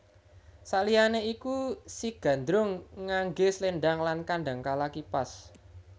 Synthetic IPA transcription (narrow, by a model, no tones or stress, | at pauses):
saʔlijaneikusiɡ̥ä̤nd̪ɾʊŋːaŋɡesleɳɖaŋlankaɳɖa̤ŋkalakipas